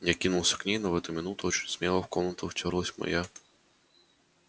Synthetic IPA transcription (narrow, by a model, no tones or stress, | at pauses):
jakʲinulˠsʲɐ̥knʲijnɐʋɛt̪ʊmʲɪnut̪ʊɔt͡ʃi̥nʲsmʲɛlˠɔwkɔnʊt̪ʊwt͡ʃʲɔɾlˠɔsʲmɔ̰jɛ